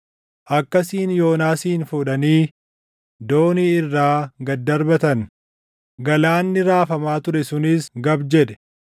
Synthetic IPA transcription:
ʔɐkːɐsiːnjo̞ːnaːsiːnfuᶑɐniː | d̪oːniːɪrːaːɡɐd̪ːɐɾbɐt̪ɐn | ɡɐlaːnːɪɾaːfɐmaːt̪ʊɾɛsʊnɪsɡɐbd͡ʒɛᶑɛ̥

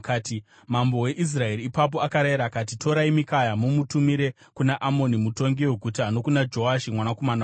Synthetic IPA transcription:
kati | mambo̞we̞ʔis̬rae̞ɾiːpap̬o̞akaɾaiɾakat̬itʰo̞ɾaimikajamumutumiɾe̞ | kunaʔamo̞nimuto̞ŋɡiweɡʱutano̞kunad͡ʒo̞aʃimwanako̞mana

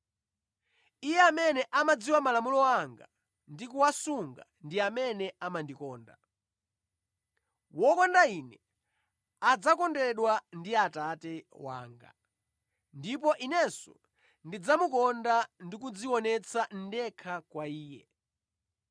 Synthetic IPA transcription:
ijɛamɛnɛʔamad͡ziwamalamulɔaŋɡa | ndikuwasuŋɡa̰ndiamɛnɛamandikɔːnda | wɔkɔndainɛ | ad͡zakɔndɛɗwandiatatɛwa̰ːŋɡa̰ | ndipɔʔinɛsɔ̰ | ndid͡zamukɔndandikud͡ziwɔnɛt͡sʰan̩dɛkʰakwaiːjɛ

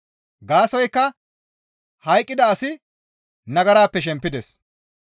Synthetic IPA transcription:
ɡaːsɔjkːɐ | hɐjkʼːɪd̪ɐːsɪ | nɐɡɐɾaːpːɛʃ̬ɛmpːɪd̪ɛs

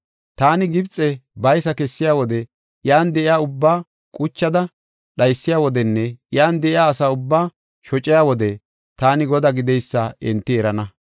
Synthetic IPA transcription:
t̪aːnɪɡɪbt͡sʼːɛbɐjsɐkɛsːɪjaːwɔd̪ɛ | jaːnd̪ɛʔɪjaːʊbːaː | kʼʊt͡ʃːɐd̪ɐ | ɗɐjsːɪjaːwɔd̪ɛnːɛjaːnd̪ɛʔɪjaːsaːʊbːaː | ʃɔt͡ʃʼɪjaːwɔd̪ɛ | t̪aːnɪɡɔd̪aːɡɪd̪ɛjsːaɛnt̪ːɪɛɾɐnɐ

